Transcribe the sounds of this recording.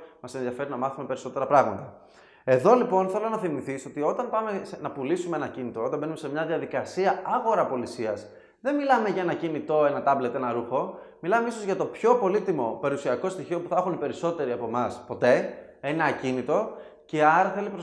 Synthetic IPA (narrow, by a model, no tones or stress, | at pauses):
mɐse̞nðiɐfe̞ɾinɐmɐθume̞pe̞ɾiso̞t̪e̞ɾɐpɾɐɣmɐt̪ɐ | e̞ðo̞lipo̞nθe̞lo̞nɐθimiθiso̞t̪io̞t̪ɐnpɐme̞snɐpulisumeenɐcinit̪o̞o̞t̪ɐmbe̞nume̞se̞mɲɐðiɐðikɐsiɐɐɣo̞ɾɐpo̞lisiɐs | ðe̞nmilɐme̞ʝɐe̞nɐcinit̪o̞e̞nɐt̪ɐble̞t̪e̞nɐɾuxo̞ | milɐmeiso̞zʝɐt̪o̞pço̞po̞lit̪imo̞pe̞ɾusiɐko̞st̪içio̞puθɐxunipe̞ɾiso̞t̪e̞ɾiɐpo̞mɐspo̞t̪e̞enɐcinit̪o̞ | ceɐɾɐθe̞lipɾo